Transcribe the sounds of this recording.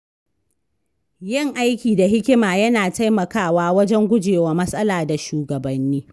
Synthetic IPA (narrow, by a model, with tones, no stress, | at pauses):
jɪ˦˨ŋʔa˦jkʲiː˨da˨ɦɪ˦kʲɪ˦maː˨jɐ˦naː˨ta˦jmɐ˨kaː˦˨waː˦wɐ˦d͡ʒɛ˦ŋɡʷʊ˦d͡ʒeː˨waː˨mɐ˦sʼɐ˦laː˨da˨ʃuː˨ɡɐ˨bɐ˨nːiː˦